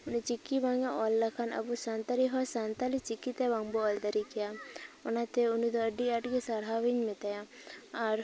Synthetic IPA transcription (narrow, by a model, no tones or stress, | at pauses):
unit͡ʃikːibaŋaʔɔlːakʰana̰busant̪aliɦɔsant̪alit͡ʃikːit̪ɛbaŋbɔɔld̪aɾikijaɔnat̪ɛunid̪ɔəɖiaʈɡesaɽɦaʋiɲmɛt̪aja | aɾ